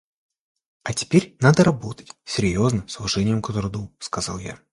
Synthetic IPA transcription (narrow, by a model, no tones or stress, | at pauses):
ɐtʲɪ̥pʲeɾʲnad̪əɾɐbo̞t̪ə̥tʲsʲɪɾʲjo̞znɨmslˠʊʐɛnʲɪjəmkət̪ɾɐd̪uskɐzɑ̰lˠja̰